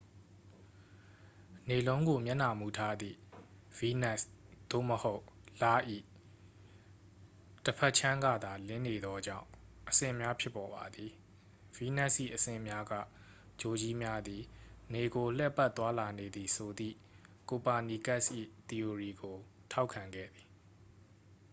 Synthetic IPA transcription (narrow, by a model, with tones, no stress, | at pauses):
ne˨lõ˦ʊ̃ŋɡo˨mjã˦˨na˨mu˨tʰa˦d̪ḭ˦˨ | vi˦nɛ˦˨sd̪̥o̰˦˨məho˦ʊʔla˦ʔḭ˦˨ | təpʰɛ˦ʔt͡ɕʰã˦ŋɡä̰˦˨d̪a˨lɪ̃˦ne˨d̪ɔ˦d͡ʑã̰˦˨ʊ̃ʔəsɪ̰̃˦˨mja˦pʰjɪ˦pːɔ˨ba˨d̪ði˨ | v̥i˦nɛ˦˨sʔḭ˦˨ʔəsɪ̰̃˦˨mja˦ɡä̰˦˨ | d͡ʑo˨d͡ʑi˦mja˦d̪i˨ne˨ɡo˨l̥ɛ˦pa˦t̪wa˦la˨ne˨d̪i˨sʰo˨d̪ḭ˦˨ | ko˨pa˨ni˨ka˦ʔsʔḭ˦˨t̪i˨o˨ɹi˨ɡo˨tʰa˦ʊkʰã˨ŋɡɛ̰˦˨d̪i˨